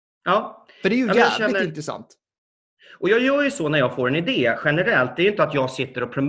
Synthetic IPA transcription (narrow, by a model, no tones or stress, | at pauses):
ɑːfəɖɛjamɛjɑɛnːəɪnt̪ɾɛsa̰nt̪ | ʔɔjɑːjœːɾjɵsɔnæɾjɑːɡfoːɾɛnɪd̪eːɧɛnəɾɛlt̪̚d̪ɛɾjʏnt̪əat̪jɑːɡsɪt̪ːəɾɔpʰɾʊm